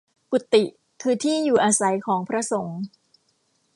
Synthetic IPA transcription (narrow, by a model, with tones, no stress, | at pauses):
ku˨˩t̪ːi˨˩ | kʰɯː˧t̪ʰiː˥˩juː˨˩ʔaː˧sa˨˩˦jkʰɔː˩˦ŋpʰɾa˦˥so˩˦ŋ